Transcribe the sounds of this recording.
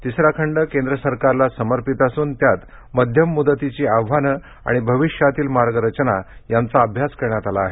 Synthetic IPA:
t̪isɾakʰəɳɖəkẽnd̪ɾəsəɾkaɾlasəməɾpit̪asuːnt̪jat̪ | məd̪ʱjəmːud̪ət̪it͡ɕiːaʋʋanə | a̰ɽ̃ibʱəʋiɕjat̪iːlmaɾɡəɾət͡ɕnajant͡saəbʱjaskəɾɳjat̪alaːɦe

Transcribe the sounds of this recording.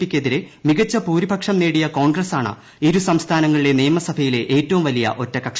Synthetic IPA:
pːikʲːɐðiɾe̞miɡɐt͡ɕːɐpuːɾibʱɐkʂɐmneːɽijɐko̞ːɳɡrɐsaːɳɨ̰ | iɾusɐmst̪ʰaːnɐŋːɐɭiɽe̞nijɐmɐsɐbʱɐjile̞ʔeːtːɐʋumʋɐlijɐ̰ʔo̞tːɐkɐkʂɐ

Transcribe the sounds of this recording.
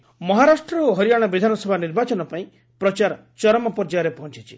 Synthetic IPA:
mɔɦaɾasʈɾɔoɦɔɾijaɽ̃ɔbid̪ʱanɔsɔbʱaniɾbat͡ʃɔnɔpaĩ | pɾɔt͡ʃaɾɔ | t͡ʃɔɾɔmɔpɔɾd͡ʒaɾepɔɦɔnt͡ʃit͡ʃʰi̥

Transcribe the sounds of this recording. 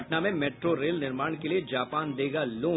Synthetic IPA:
ʈnamẽmeːʈɾoɾeːlnɪɾmaːɽ̃kelied͡ʒaːpaːnd̪eːɡaloː

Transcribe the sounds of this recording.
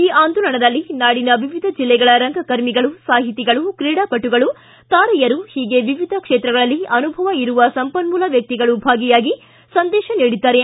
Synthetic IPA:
iːʔaːnd̪ulɐɳɐd̪ɐlːinaːɽinɐʋiʋid̪ʱɐd͡ʒilːɛɡɐɭɐɾɐŋɡʱɐkɐɾmiɡɐɭusaːɦit̪iɡɐɭukɾiːɽaːpɐʈːuɡɐɭu | t̪aːɾɐjɐɾuhiːɡe̞ʋiʋid̪ʱɐkʂeːt̪ɾɐɡɐɭɐlːiɐnubʱɐʋɐiɾuʋɐsɐmpɐnmuːlɐʋjɐk̚t̪iɡɐɭubʱaːɡijaːɡi | sɐnd̪ɛːʃɐniːɽid̪ːaːɾe̞

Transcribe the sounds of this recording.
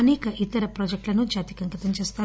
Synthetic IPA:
ɐneːkɐʔit̪ːɐɾɐpɾoːd͡ʒek̚ʈlɐnud͡ʒaːt̪i̥kɐŋkɐt̪ɐmt͡ʃeːst̪aː

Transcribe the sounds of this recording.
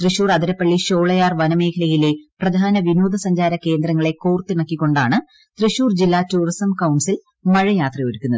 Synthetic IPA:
t̪rɨɕuːrɐd̪iɾɐpːɐɭːiɕo̞ːɭɐjaːrʋɐnɐme̞ːkʰɐlɐjile̞prɐd̪ʱaːnɐʋinoːd̪ɐsɐɲd͡ʑaːɾɐke̞ːnd̪ɾɐŋːɐɭe̞koːrt̪ːiɳɐkːikːo̞ɳɖaːɳɨ | t̪rɨɕuːrd͡ʑilːaːtuːrisɐmkɐwɳɖsil | mɐɻɐjaːt̪rɐjoɾukːunːɐðɨ

